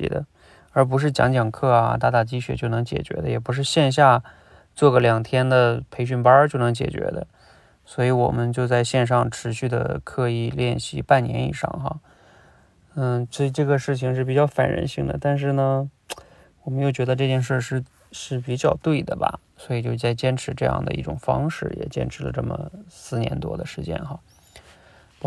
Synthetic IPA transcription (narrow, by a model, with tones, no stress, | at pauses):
ḭ˧˥d̪ə̰˧ | ə˞˧˥p̬u˧˥ʂ̬ɻ̩˥˩t͡ɕjɑ̰˧˥ŋt͡ɕjɑ˨˩ŋkʰɤ˥˩ɐ̰˩t̪a˥˧t̪a˥˩t͡ɕi˥ɕɥɛ˧˥t͡ɕjo˥˩ʊnɤ˧˥ŋt͡ɕjɛ̰˨˩t͡ɕɥɛ̰˧˥d̪ə˧jɛ˨˩p̬u˧˥ʂ̬ɻ̩˥˧ɕjɛ˥˧nɕ̬ja˥˧ | t͡swɔ˥˩ɡə˩ljɑ˨˩ŋt̪ʰjɛ˥nd̪ə˨pʰe˧˥ɪɕ̬y˥˩npɐ˥t͡ɕjo˥˩ʊnɤ˧˥ŋt͡ɕjɛ̰˨˩t͡ɕɥɛ̰˧˥d̪ə̰˧ | swɔ˧˥i˧˥wɔ̰˨˩mə˦nt͡ɕjo˥˧ʊt͡sa˥˧ɪɕjɛ˥˧nʂ̬ɑ˥˧ŋʈ͡ʂʰɻ̩˧˥ɕy˥˩d̪ə̰˩kʰɤ˥˧i˥˩ljɛ˥˩nɕḭ˧˥pa˥˩nnjɛ˧˥nḭ˨˩ʂɑ̰˥˩ŋxa̰˧˩˥ | t͡ɕə˥˧ʈ͡ʂɤ˥˩ɡə˩ʂɻ̩˥˩t͡ɕʰi˩ŋʂ̬ɻ̩˥˩pi˨˩t͡ɕjɑ˥˩ʊfa̰˨˩nɻə̰˧˥nɕi˥˩ŋd̪ə̰˩t̪a˥˧nʂ̬ɻ̩˥˩nə˩ | wɔ˨˩mə˦njo˥˩ʊt͡ɕɥɛ˧˥d̪ə˧ʈ͡ʂɤ˥˧t͡ɕjɛ˥˧nʂ̬ə˥˧ʂɻ̩˥˩ | ʂɻ̩˥˩pi˨˩t͡ɕjɑ˥˧ʊt̪we˥˩ɪd̪ə˩bɐ̰˩ | swɔ˧˥i˨˩t͡ɕjo˥˧ʊt͡sa˥˩ɪt͡ɕjɛ˥nʈ͡ʂʰɻ̩˧˥ʈ͡ʂɤ˥˧jɑ̰˥˩ŋd̪ə̰˩i˥˩ʈ͡ʂʊ̰˨˩ŋfɑ̰˥ŋʂɻ̩˥˩jɛ̰˨˩t͡ɕjɛ̰˥nʈ͡ʂʰɻ̩˧˥lə̰˧ʈ͡ʂɤ˥˩mə̰˩sɹ̩˥˩njɛ̰˧˥nt̪wɔ̰˥d̪ə˨ʂɻ̩˧˥t͡ɕjɛ̰˥nxɑ˥˩